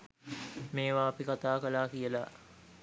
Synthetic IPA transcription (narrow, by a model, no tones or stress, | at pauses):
meːʋaːpikat̪aːkəlaːkijəla